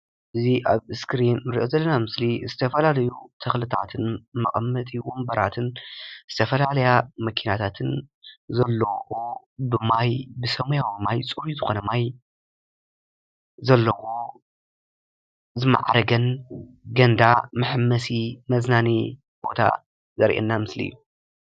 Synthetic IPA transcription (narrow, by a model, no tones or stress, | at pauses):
ʔɨziʔaβɨskʰɾinɨɾiʔozɐlːɐnamɨslizɨt̪ʰɐfɐlalɐjut̪ʰɐxlɨt̪ʰa̰t̪ʰɨnmɐ̰χʼɐmːɐt̪ʼiwɔmbɐɾa̰t̪ʰɨnz̥ɨt̪ʰɐfɐlalɐjamɐkʰinat̪ʰat̪ʰɨnzɐlːɐo | bɨmajbɨsɐmujawimajt͡sʼɨɾizɨxonɐmaj | zɐlːɐwo | zɨma̰ʕɾɐɡɐnɡɐnd̪amɨħɨmːɐsimɐznani | b̥o̞t̪ʰa̰ | zɐɾʔḛnːamɨslḭjːu